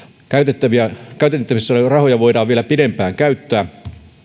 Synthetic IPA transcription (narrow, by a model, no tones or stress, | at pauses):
kæyt̪et̪ːæʋiækæyt̪et̪t̪ːæʋisːærɑhojɑʋoidɑːʋʋielæpiɾempæːŋkæyt̪ːæː